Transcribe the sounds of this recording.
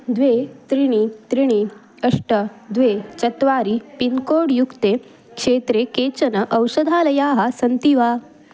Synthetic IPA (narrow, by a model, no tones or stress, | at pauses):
d̪ʋet̪ɾiɽ̃it̪ɾiɽ̃i | ɐʂʈəd̪ʋet͡ɕɐt̪ʋaːɾipinkoːɽjukt̪e | kʂeːt̪ɾeket͡ɕɐnɐʔɐwsɐd̪ʱaːlɐjaːɦasɐnt̪iʋa